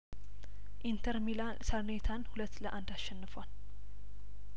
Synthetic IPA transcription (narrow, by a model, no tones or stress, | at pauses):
ʔint̪ʰəɾmi | sʰəɾnet̪ʰanhulət̪ːləʔand̪asʃɛnːɨfwal